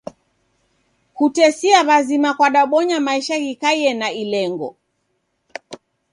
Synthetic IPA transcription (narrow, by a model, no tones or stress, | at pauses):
kutɛsiaβazimakwaɗaɓɔɲamaiʃaɣikaiɛnailɛŋɡɔ̰